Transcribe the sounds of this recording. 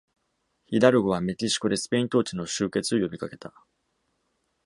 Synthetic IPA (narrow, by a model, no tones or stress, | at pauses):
çid̪aɾɯ̟ɡo̞βame̞kʲiɕi̥ko̞d̪e̞sɨ̥pe̞ĩnt̪o̞ːt͡ɕino̞ɕɨːke̞t͡sɨo̞jo̞bʲikake̞̥t̪a